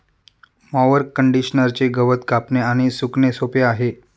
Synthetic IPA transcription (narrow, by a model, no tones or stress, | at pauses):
maʋəɾkəɳɖiɕnəɾt͡ɕeɡəʋət̪kapneaɽ̃isuknesopeaɦe